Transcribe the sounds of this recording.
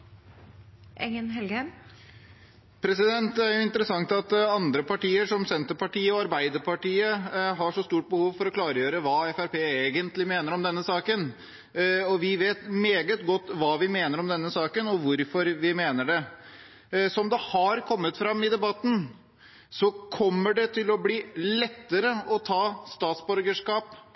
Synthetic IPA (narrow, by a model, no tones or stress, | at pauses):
ʔɛ̰ŋənɦɛlɡəm | pʰɾɛsɪd̪ɛnt̪æɾjʊɪnt̪əɾəsɑŋt̪ɑt̪ɑnd̪ɾəpɑʈiːəʂɔmsɛnt̪əɾpɑʈiːəɔɑɾbæɪd̪əɾpɑʈiːəɦɑʂɔst̪uːʈ̚bəhuːʋfɔɾɔklɑːɾəjøːɾəʋɑːɛfæɾpeːeːɡənt̪lɪmeːnəɾɔmd̪ɛnːəsɑːkən | ɔʋɪʋeːt̪meːɡət̪ɡɔt̪ːʋɑːʋɪmeːnəɾɔmd̪ɛnːəsɑːkənɔʋʊɾfɔɾʋɪmeːnəɖɛ | sɔmd̪ɛhɑɾkʰɔmːət̪fɾɑmːɪd̪ɛbɑt̪ːn̩ | sɔkʰɔmːəɖɛt̪ʰɪlɔbliːlɛt̪ːəɾəɔt̪ʰɑːst̪ɑːt̪sbɔɾɡəʂkɑːp